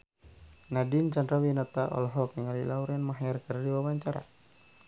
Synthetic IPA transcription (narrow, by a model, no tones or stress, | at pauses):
nadint͡ʃandɾawinat̪aʔɔ̰lɦɔk̚niŋalilauɾɛnmaɦɛrkərdiwabaɲt͡ʃaɾa̰